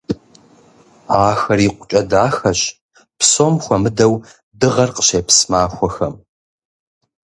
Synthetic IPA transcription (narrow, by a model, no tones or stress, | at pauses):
aːxɐriːqʷʼʊt͡ʃʼɐdaːxɐɕ | psomxʷɐmɨdɐw | dɨʁɐrqə̥ɕeːpsmaːxʷɔxɐ̰m